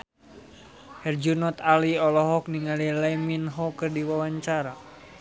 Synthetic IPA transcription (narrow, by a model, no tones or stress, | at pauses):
hɛrd͡ʒunɔt̪aliɔlɔɦɔk̚niŋalilɛminɦɔkɨrdiwawaɲt͡ʃaɾa